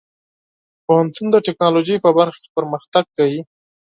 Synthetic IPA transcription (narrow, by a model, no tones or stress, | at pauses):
pohant̪und̪əʈɪknɑloʒəjpəbaɾxḁke̥pəɾməxt̪aɡ̚kawi